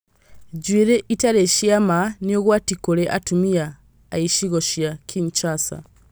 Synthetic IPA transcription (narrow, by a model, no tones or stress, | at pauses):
ɟwiːɾeʔitaɾeʃiamanioɣwaːtikuleʔa̰tumijaː | iʃiɣoʃjakʰiɲt͡ʃaːsa̰